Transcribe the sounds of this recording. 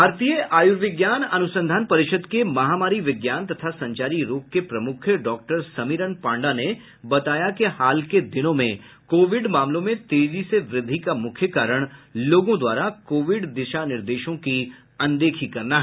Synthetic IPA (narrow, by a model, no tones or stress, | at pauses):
bʱaːɾt̪ijəʔaːjuɾʋɪɡjaːnɐnʊsə̃nd̪ʱaːnpɐɾɪʃəd̪kemɐɦamaːɾiʋɪɡjaːnt̪ɐt̪ʰasɐ̃ɲt͡ʃaːɾiɾoːp̚kepɾɐmʊkʰjəɖɔːk̚ʈəɾsɐmiɾənpãːɳɖane | bɐt̪aːjakehaːlked̪ɪnõmẽ | koːʋɪɖmaːmlõmẽt̪eːd͡ʒiseʋɾɪd̪ʱːikamʊkʰjəkaːɾəɽ̃loːɡõd̪ʋaːɾakoːʋɪɖd̪ɪʃanɪɾd̪eːʃõki | ɐ̃nd̪eːkʰikɐɾnaɦɛ